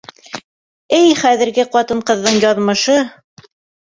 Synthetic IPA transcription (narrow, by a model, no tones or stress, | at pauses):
ɘjχæðɘ̆ɾɡɘqɑt̪ɤɴqɤ̆ðːɤɴjɑðmɤ̆ʃɤ